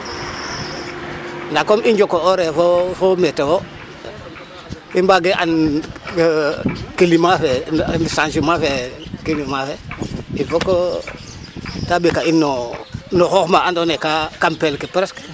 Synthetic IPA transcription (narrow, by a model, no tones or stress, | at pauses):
ndakomʔind͡ʒokooɾefofometewo | imbaɡeʔa̰n | kilimafensansumafekilimafeilfoko | tabikainːonoxoxmaandonekakampelkepɾesk